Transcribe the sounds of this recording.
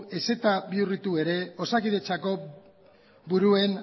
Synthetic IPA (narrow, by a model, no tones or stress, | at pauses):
e̞se̞t̪aβiurit̪ue̞ɾe̞o̞sakiðe̞t͡ʃako̞ | buɾue̞n